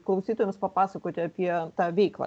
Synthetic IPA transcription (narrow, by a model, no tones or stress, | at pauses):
klˠɐʊsʲiːt̪ojmspɐpɑːsɐkoːt̪ʲɪɐpʲiɛt̪ɑːʋʲɛɪklˠɑ̰